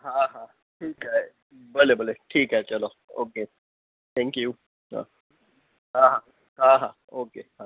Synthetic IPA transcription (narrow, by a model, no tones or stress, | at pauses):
ɦãːɦãː | ʈʰiːkɦɛ | bəlebəleʈʰiːkɦɛt͡ʃɐloː | o̰ːke | t̪ʰɛ̃ːŋkju | ɦã̰ː | ɦãːɦaː | ɦãːɦãː | oːkeːɦãː